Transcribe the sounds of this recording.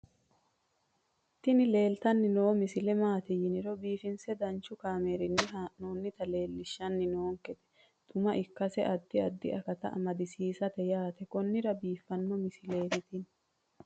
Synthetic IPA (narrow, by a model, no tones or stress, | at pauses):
t̪ːɪnɪle̞ːlt̪ɐnːɪnoːmɪsɪlɛmaːt̪ɪjɪnɪɾɔbiːfɪnsɛd̪ɐnt͡ʃːʊkaːmeːɾɪnːɪɦanoːnːɪt̪ɐle̞ːlːɪʃːɐnːɪnoːŋkɛt̪ɛ̥ | t̪ʼʊmɐʔɪkːɐsɛʔɐd̪ːɪɐd̪ːɪ̰ɐkɐt̪ɐ̰ʔɐ̰mɐd̪ɪsiːsɐt̪ɛjaːt̪ɛkɔnːɪɾɐbiːfːɐnːɔmɪsɪle̞ːɾɪt̪ɪn